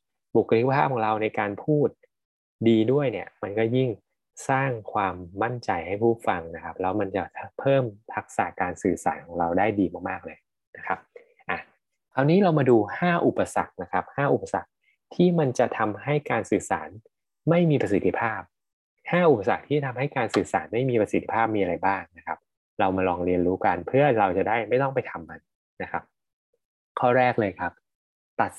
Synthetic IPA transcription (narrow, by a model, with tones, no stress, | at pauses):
bu˨˩kʰa˧li˥aː˥˩ɔː˨˦ŋɾa˧wna˧jkaː˧npʰuː˥˩t̪̚ | diː˧du˥˩əjni˥˩əma˧nkɔː˥˩ji˥˩ŋ | saː˥˩ŋkʰwaː˧mːa˥˩nt͡ɕa˧jha˥˩jpʰuː˥˩fa˧ŋna˦˥kʰa˦˥p̚lɛː˦˥wma˧nt͡ɕa˨˩tʰpʰɤː˥˩mpʰa˦˥k̚sa̰ː˨˩kaː˧nsɯː˨˩sa̰ː˩˦nkʰɔː˩˦ŋɾa˧wdaː˥˩jdiː˧maː˥˩k̚maː˥˩k̚lɤː˧j | na˦˥kʰa˦˥p̚ | ʔa˨˩ | k̪ʰa˧wniː˦˥ɾa˧wmaː˧duː˧haː˥˩ʔu˨˩pːa˧sa̰˨˩k̚na˦˥kʰa˦˥p̚haː˥˩ʔu˨˩pːa˧sa̰˨˩k̚ | t̪ʰiː˥˩ma˧nt͡ɕa˨˩t̪ʰa˧mɦa˥˩jkaː˧nsɯː˨˩sa̰ː˩˦n | ma˥˩jmiː˧pɾa˧si˨˩t̪ʰːi˦˥pʰaː˥˩p̚ | haː˥˩ʔu˨˩pːa˧sa˨˩k̚t̪ʰiː˥˩a˩t̪ʰa˧mɦa˥˩jkaː˧nsɯː˨˩sa̰ː˩˦nma˥˩jmiː˧pɾa˧si˨˩t̪ʰːi̥˦˥pʰaː˥˩p̚miː˧a˧ɾa˧jbaː˥˩ŋna˦˥kʰa˦˥p̚ | ɾa˧wmaː˧ɾɔː˧ŋɾi˧ənɾuː˦˥ka˧npʰɯ˥˩ɐɾa˧wt͡ɕa˨˩daː˥˩jma˥˩jt̪ɔ˥˩ŋpa˧jt̪ʰa˧mka˧n | na˦˥kʰa˦˥p̚ | kʰɔː˥˩ɾɛː˥˩k̚lɤː˧jkʰa˦˥p̚ | t̪a˨˩t̪̚